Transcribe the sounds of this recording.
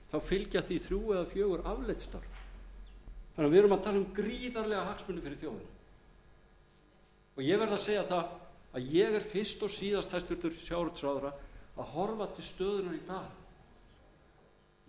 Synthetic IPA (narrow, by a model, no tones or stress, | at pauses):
θawfɪlcaθviθɾjuːɛðafjœːɣʏɾavlejt̪st̪œ̰ɾv | hanːaɾvɪɛɾʏmaðt̪ʰaːlʏmkɾiːðaɾlɛɣahaksmʏnːɪfɪɾɪɾ̥θjoːwðʏ̰nʏ | ɔɣjɛɣvɛɾðaseːjaθaðaðjɛɣɛɾ̥fɪ̥st̪ɔsiːðast̪hajst̪vɪɾt̪ʏɾ̥sjawɾʏt̪sɾawðʏɾaaðhɔɾvat̪ʰɪlst̪œːðʏnaɾit̪aː